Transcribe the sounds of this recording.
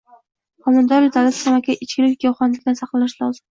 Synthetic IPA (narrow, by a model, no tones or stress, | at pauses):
qɒmʊnd̪ɒɾɪd̪ʰalassamakʲʰaʔɪt͡ʃkʲɪlɪkʲɡawχɒnlɪkʲd̪ansɑqlˠalɪʃlˠɒzɪm